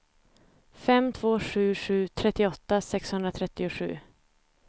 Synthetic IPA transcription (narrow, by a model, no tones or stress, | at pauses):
fɛmːt̪ʰvoːʂʉ̟ːʂʉ̟ːt̪ʰɾɛt̪ːɪɔt̪ːasɛkshɵnd̪ɾat̪ʰɾɛt̪ːɪʊɧʉ̟̰ː